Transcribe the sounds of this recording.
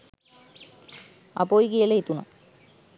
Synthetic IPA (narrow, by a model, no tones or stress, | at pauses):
a̰pojikijələit̪una̰